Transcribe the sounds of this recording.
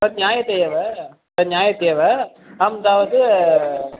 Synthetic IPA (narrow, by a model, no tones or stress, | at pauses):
ɐd̪njaːjɐt̪ejɐʋɐ | ɾɐɲjaːjɐt̪eːʋɐ | ɐmd̪aːʋɐðɯ